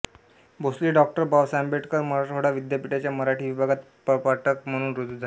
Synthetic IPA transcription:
bosliːɖɔk̚ʈəɾbaʋsambeʈkəɾməɾaʈəɽaʋid̪japiʈat͡ɕjaməɾaʈʰiːʋibʱaɡat̪ | ppaʈʰəkm̤əɽ̃uːnɾod͡zud͡zʱa

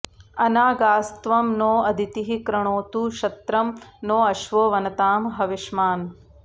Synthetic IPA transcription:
ɐnaːɡaːst̪ʋɐmnoːɐd̪ʱit̪iɦikɾɐɳoːt̪uʃɐt̪ɾɐmnoːɐʃʋoːʋɐnɐt̪aːmɦɐʋiʃmaːn

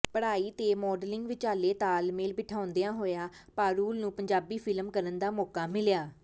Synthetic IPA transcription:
pəɽaːiːt̪eːmɔːɖlɪŋɡʋɪt͡ʃaːleːt̪aːlmeːlbɪʈʰaːʊnd̪ejãːɦoːjaː | paːɾuːlnũːpəɲd͡ʒaːbiːpʰɪlmkəɾənd̪aːmɔːkaːmɪlɪjaː

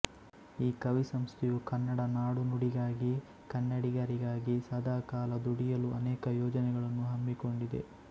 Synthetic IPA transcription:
iːkɐʋisɐmst̪ʰijukɐnːɐɽɐnaːɽunuɽiɡaːɡi | kɐnːɐɽiɡaːɾiɡaːɡisɐd̪ʱaːkaːlɐd̪uɽijɐluʔɐnɛːkɐjɔːd͡ʒɐnɛɡɐɭɐnːuɦɐmbiko̞ɳɖid̪e̞̰

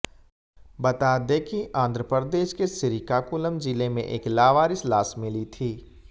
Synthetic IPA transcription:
bɐt̪aːd̪ekiʔãːnd̪ʱɾəpɾəd̪eːʃkesɪɾɪkakʊləmd͡ʒɪlemḛ̃ʔeːklaːʋaːɾɪslaːsmɪlit̪ʰiː

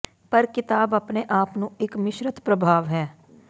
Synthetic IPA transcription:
pɐɾkɪt̪aːbɐpneʔaːpnũɪkmɪʃɾət̪pɾəbʱaːʋɦɛː

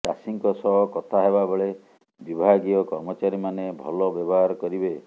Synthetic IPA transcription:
kasiŋkɔsɔɦɔkɔt̪ʰaɦebabeɭe | bibʱaɡiɔkɔɾmɔt͡ʃaɾimanebʱɔ̰lɔbjɔbɔɦaɾkɔɾibe

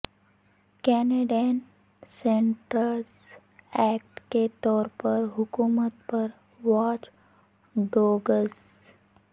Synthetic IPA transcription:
kɛːneːɖen | sẽɳʈɾəls | ɛːk̚ʈket̪ɔːɾpəɾɦʊkuːmət̪pəɾ | ʋaːt͡ʃ | ɖoːɡəs

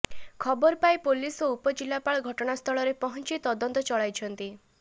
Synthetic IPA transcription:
kʰɔbɔɾpajpolisɔupɔd͡ʒilːapaɭɔɡʱɔʈɔɽ̃ast̪ʰɔɭɔɾepɔɦɔnt͡ʃit̪ɔd̪ɔnt̪ɔt͡ʃɔɭajt͡ʃʰɔnt̪i

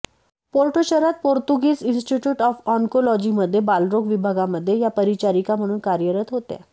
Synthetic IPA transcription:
poɾʈoɕəɾat̪̚poɾt̪uɡiːsinsʈiʈjuːʈɔfɔŋkolɔd͡ʑiməd̪ʱːjebalɾoɡʋibʱaɡaməd̪ʱːjejapəɾit͡ɕaɾikam̤əɽ̃uːnkaɾjəɾət̪ɦot̪ja̰

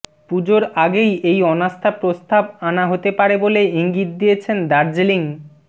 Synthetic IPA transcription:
pud͡ʑoɾaɡejejɔnast̪ʰapɾost̪abanaɦot̪epaɾeboleiŋɡit̪̚d̪ijet͡ɕʰend̪aɾd͡ʑeliŋ

